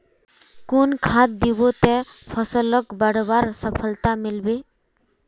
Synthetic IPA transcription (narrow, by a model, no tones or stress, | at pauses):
kunkʰat̪̚d̪ibot̪ɛ | pʰɔsɔlɔkbaɽbaɾsɔpʰəlt̪amilbe